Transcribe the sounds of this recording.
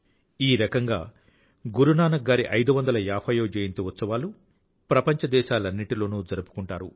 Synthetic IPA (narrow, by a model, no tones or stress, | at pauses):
iːɾɐkɐŋɡa̰ː | ɡuɾunaːnɐɡaːɾiʔɐjd̪uʋɐnd̪ɐlɐjaːpʰɐːjoːd͡ʒeːjint̪eʋɔt̪sɐʋaːlu | pɾɐpɐɲt͡ʃɐd̪ɛːʃaːlɐnːiʈilo̞ːnuːd͡ʒɐɾupu̥kuɳʈaːɾu